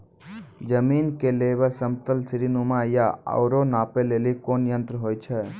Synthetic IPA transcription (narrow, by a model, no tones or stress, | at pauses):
d͡ʒəmiːnkeleːbəsəmt̪əlsɾinumajaə̰ʊɾonaːpeleːlikoːnjə̃nt̪ɾəɦoːjt͡ʃʰɛ